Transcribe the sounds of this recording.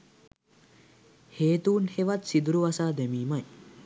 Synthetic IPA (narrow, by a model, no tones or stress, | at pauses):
heːt̪uːnheʋat̪sid̪uɾuʋasaːd̪emiːmɐj